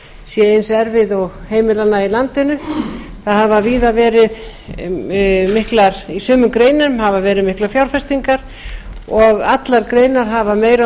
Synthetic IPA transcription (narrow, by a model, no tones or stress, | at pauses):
sjɛejnsɛɾvɪðɔɣheːjmɪlanːailant̪ɪnʏθaðhavaviːðavɛːɾɪð | mɪhklaɾ̥isœːmʏmkɾeːjnʏmhavavɛːɾɪðmɪhklaɾfjawɾfɛst̪iŋkaɾ̥ | ɔɣat̪laɾkɾeːjnaɾ̥ɦavameːjɾa